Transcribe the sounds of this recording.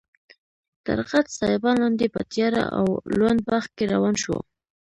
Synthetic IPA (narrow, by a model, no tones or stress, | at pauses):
t̪a̰ɾqat̪sɑjɪbɑnlɑnd̪epat̪jɑɾa̰ʔa̰wlwand̪̚bax̚keɾawɑnʃwa̰